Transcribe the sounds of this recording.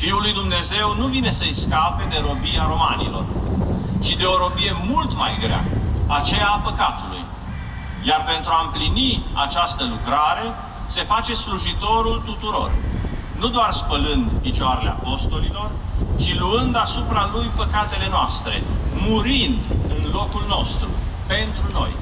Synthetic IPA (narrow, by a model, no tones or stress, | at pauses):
fiulujd̪umne̞ze̞wnuvine̞səjskape̞d̪e̞ɾo̞biaɾo̞manḭlo̞̰r | t͡ʃid̪e̞o̞ɾo̞bije̞mult̪majɡɾea̰at͡ʃejapəkat̪ulṵj | jarpe̞nt̪ɾuaɨmplinia̰t͡ʃast̪əlukɾaɾe̞ | se̞fat͡ʃe̞sluʒit̪o̞ɾult̪ut̪uɾo̞̰rnud̪oarspəlɨnd̪pit͡ʃoaɾeleapo̞st̪o̞lilo̞rt͡ʃiluɨnd̪asupɾalujpəkat̪e̞le̞noast̪ɾe̞̰muɾind̪ɨnlo̞kulno̞st̪ɾṵpe̞nt̪ɾuno̞̰j